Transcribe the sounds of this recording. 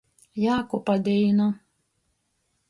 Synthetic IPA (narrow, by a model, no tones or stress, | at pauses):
jaːkɔpɐd̪ʲɛɪnɐ